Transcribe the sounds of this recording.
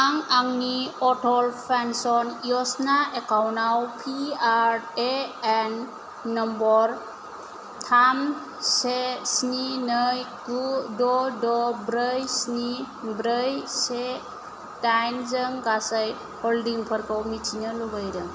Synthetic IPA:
aŋaŋniɔtʰɔlpʰansɔnijɔsnaekawnawpʰiaɾɾeenː | ɔmbɔɾ | tʰam | sesninɯjkudɔdɔbɾəjsni | bɾəjse | tajnzəŋkasaj | hɔldiŋpʰəɾkʰawmitʰinɯlubajɾɯŋ

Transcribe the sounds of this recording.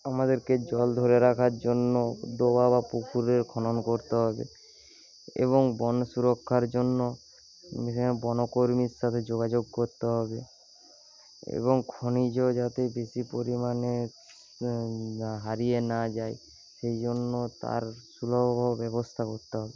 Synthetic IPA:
amad̪eɾked͡ʑɔld̪ʱoɾeɾakʰaɾd͡ʑonːod̪obabapukʰuɾeɾkʰɔnonkoɾt̪eɦɔbḛ | ḛβoŋbɔnsuɾokʰːaɾd͡ʑonːo | bɔnokoɾmiɾʃat̪ʰed͡ʑoɡad͡ʑoɡ̚koɾt̪eɦɔbe | ḛboŋkʰonid͡ʑod͡ʒat̪ebeʃipoɾimane | ɦaɾijenad͡ʑae | ʃejd͡ʑonːot̪a̰ɾsulobbʱɔbɛbost̪ʰakoɾt̪eɦɔbe

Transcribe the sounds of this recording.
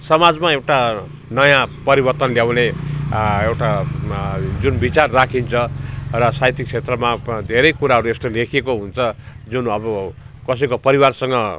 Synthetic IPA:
sʌmad͡zmaewʈa | nʌjãpʌɾibʌrt̪ʌnljawne | ewʈa | d͡zunbit͡sarːakʰint͡sʰʌrʌsajt̪ik̚t͡sʰet̪rʌmad̪ʱeɾʌjkuɾaɦʌɾuest̪ʌlekʰekoɦunt͡sʰʌ | d͡zunʌbʌ | kʌs̬ʌjkopʌɾiwarsʌŋɡʌ

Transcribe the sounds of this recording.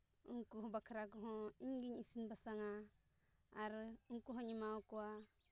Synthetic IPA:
uŋkuɦõbakʰɾakuɦõiŋɡiɲisinbasaŋaː | ɾuŋkuɦõɲimakuwa

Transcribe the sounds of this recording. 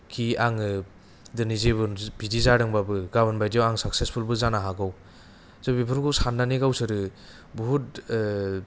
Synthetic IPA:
kʰiaŋɯ | dɯnizebɯbidizaɾɯŋbabɯɡaβɯnbajdijawaŋsak̚sespʰulbɯzanaɦaɡaw | zɯbipʰɯɾɡɯwsanːaniɡawsɯɾɯ | buɦut̚

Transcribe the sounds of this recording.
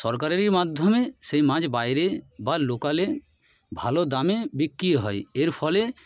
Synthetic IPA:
ʃɔɾk̬aɾeɾiɾmad̪ʱːomeʃejmãd͡ʑbajɾebalokale | bʱalod̪amebikːɾiɦɔjeɾfʰɔle

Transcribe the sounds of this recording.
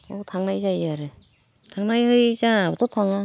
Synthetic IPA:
otʰaŋnajzajaɾɯ | tʰaŋnajhɯjzaatʰɔtʰaŋa

